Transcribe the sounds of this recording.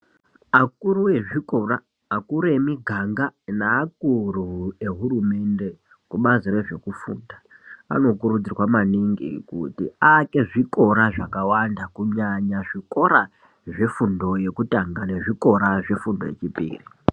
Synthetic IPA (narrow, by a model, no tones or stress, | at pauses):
ak̚uɾuwe̞ʐiko̞raː | kuɾemiɡʱaŋɡanaːk̚urue̞ɦurume̞nde̞ | kuɓazire̞ʐe̞kufṵːndaa̰no̞k̬urud͡zirwamaniŋɡḭkṵtḭake̞ʐiko̞ɾaʐakawandakuɲaɲaʐiko̞ɾa | ʐe̞fundo̞je̞kutaŋɡane̞ʐiko̞ɾaʐe̞fundo̞̰je̞̰t͡ʃipḭːri